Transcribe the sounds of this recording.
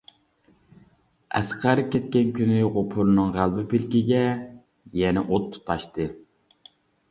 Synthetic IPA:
æ̰sqʰæɾɨkʲʰɛt̪̚kʲɛnkʲynɪʁopʰʊɾnɨŋʁælˠbɪpilkʲiɡʲɛ | jɛnɛʔot̪ʰːu̥t̪ʰːɑʃt̪ɨ

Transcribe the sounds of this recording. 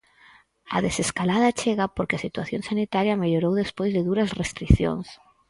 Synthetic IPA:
a̰ðeseskalað̞at͡ʃeɣapoɾkɪasit̪waθjonsanit̪aɾjameʎoɾowðespojzðeðuɾasrest̪ɾiθjo̰ns

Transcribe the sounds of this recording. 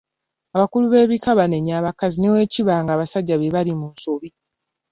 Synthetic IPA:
aβakuluβe̞ːβikaβane̞ɲaːβakazinewe̞ːciβaːŋɡaːβasaɟːaβeβaɾimuːnsoβi

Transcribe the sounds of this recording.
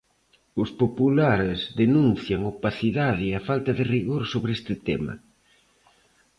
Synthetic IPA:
ʊspopulaɾɪzðenũnθjaŋopaθiðaðɪafalt̪ɐðɪriɣoɾsoβɾest̪ɪt̪emɐ̰

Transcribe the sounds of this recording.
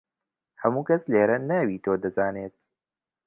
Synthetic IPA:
hɐmuːkɐsleːɾɐnːɐwiːt̪ʰoːd̪ɐzaːneːt̪̚

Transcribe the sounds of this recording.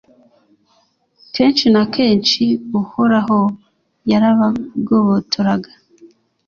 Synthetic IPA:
keːnt͡ʃinakʰe̞ːnt͡ʃiuhoɾaɦo | jaɾaβaɡoβotʰoɾaɡḁ

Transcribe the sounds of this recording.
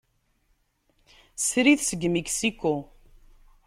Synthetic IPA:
sɾiθsəɡmeksiko

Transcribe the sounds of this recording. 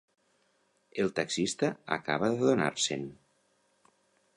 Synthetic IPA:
elˠt̪aksist̪aa̰ka̰β̞aðeðona̰ɾsen

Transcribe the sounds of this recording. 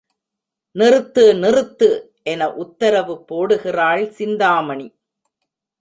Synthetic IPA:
nɪrɯt̪ːɯnɪrɯt̪ːɯ | ʔɛnɐʔʊt̪ːɐɾɐʋɯpːoːɽɯɣɪraːɭsɪnd̪aːmɐɳi

